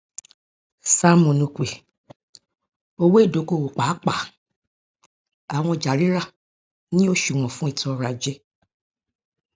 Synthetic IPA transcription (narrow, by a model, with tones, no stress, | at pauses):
sa˧˨mõ˨nũ˧˨kʷe˨ | o˧we˦˨do˨˦ɡo˦˧˨wo˨k͡pa˨˦k͡pa˨ | a˨w̃ɔ̃˧˨d͡ʒa˨ɾi˦ɾa˦˨ | nĩ˦o˦˨ʃu˨w̃ɔ̃˨fũ˨˦i˦˨tɔ˧ɾa˨d͡ʒe˧˦